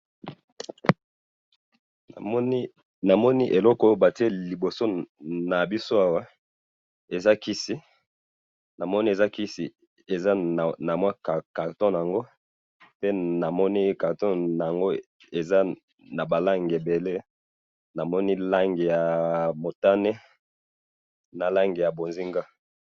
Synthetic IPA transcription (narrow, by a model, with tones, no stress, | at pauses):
na˨mɔ˦ni˦ʔe˨lɔ˦kɔ˦o˦ba˨ti˦e˦li˨bo˨so˦na˨bi˦so˦a˦wa˦ | e˨za˦ki˦si˦ | na˨mɔ˦ni˦e˨za˦ki˦sḭ˨ | e˨za˦˨na˨mwa˦kka˨ʁtɔ̃˦n˨a˨ŋɡo˦ | pe˦na˨mɔ˦ni˦ka˨ʁtɔ̃˦n˨a˨ŋɡo˦ | e˨za˦ | na˨ba˨la˦ŋɡe˨be˨le˦ | na˨mɔ˦ni˦la˦ŋɡe˨ja˨mo˨ta˦ne˦ | na˨la˦ŋɡe˨ja˨bo˨nzi˦ŋɡa˦